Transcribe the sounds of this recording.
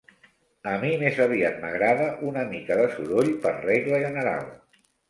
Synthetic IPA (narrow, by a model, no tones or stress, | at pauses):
əmimezəβiat̪̚məɣɾaðəʔunəmikəðəsuɾoʎpərreɣləʒənəɾa̰lˠ